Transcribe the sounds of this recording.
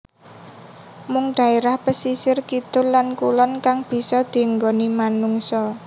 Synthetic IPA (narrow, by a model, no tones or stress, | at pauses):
mʊŋɖ̪̥ä̤eɾahpəsisɪrkit̪ʊllankulɔnkaŋb̥i̤sɔd̪̥i̤əŋɡonimanuŋsɔ